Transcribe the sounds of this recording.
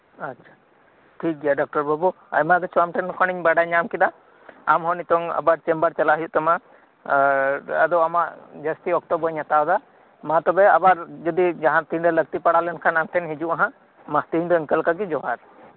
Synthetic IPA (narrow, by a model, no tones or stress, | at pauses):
atːt͡ʃʰḁ | ʈʰik̚ɡɛjaɖɔk̚ʈɔɾbɔbu | a̰jmaɡɛsuamʈɛnkʰɔñiɲbaɖaɲamkid̪a | amɦɔnit̪ɔŋa̰baɾt͡ʃɛmbəɾt͡ʃalaɦijuʔt̪ama | ad̪ɔamaʔd͡ʒast̪iɔk̚t̪ɔbɔɲːat̪awd̪a | mãt̪ɔbɛabaɾd͡ʒɔd̪id͡ʒaɦãt̪inɖɛlək̚t̪ipaɽalɛnkʰanamt̪ʰɛnɦid͡ʒuʔaɦã | maht̪iɲd̪ɔɛŋkəlkaɡɛd͡ʒɔɦaɾ